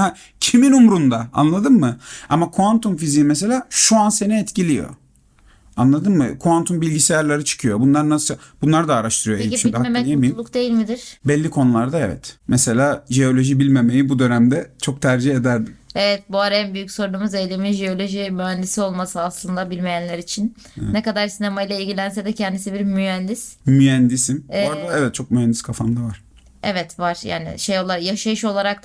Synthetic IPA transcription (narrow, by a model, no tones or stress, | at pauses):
hɛ | cʰiminumɾund̪aa̰nlˠad̪ɯnmɯamakʰuant̪umfiziːmɛs̬e̞lʲaːʃuanse̞niɛt̪cʰilʲijo̞̰ | anlˠad̪ɯnmɯ̰kʰuant̪ʰumbilʲɟisejaɾlʲˠaɾɯt͡ʃʰɯ̥kʰɯjo̞bunlˠaɾnasɯb̥unlˠaɾd̪aːɾaʃt̪ʰɯɾɯjoeʃibihak̪ijemijimˠukd̪e̞jilʲmid̪ɪɾ̥bɛlʲːikʰo̞nulˠaɾd̪aɛvɛ̰t̪mɛse̞lʲaːʒeo̞lʲo̞ʒibilʲme̞me̞jibud̪ø̞næmd̪ɛt͡ʃʰo̞k̚t̪ʰæɾd͡ʒied̪æɾd̪imevɛt̪buaɾænbyjycso̞ɾunumuze̞jlʲeminʒeo̞lʲo̞ʒimyɦænd̪isio̞lˠmasɯaslˠɯnd̪abilʲme̞jænlʲæɾit͡ʃʰin | nekad̪aɾsinemajlˠailʲɟilʲænsɛd̪ɛcʰɛnd̪isibiɾmyɦænd̪ismyænd̪isimaɾd̪aɛvɛt̪̚t͡ʃʰo̞k̚myhænd̪i̥skʰafamd̪avaɾ̥ | evɛt̪vaɾ̥ja̰ːnḭʃe̞jo̞lˠaɾjaʃajɯʃo̞lˠaɾak̪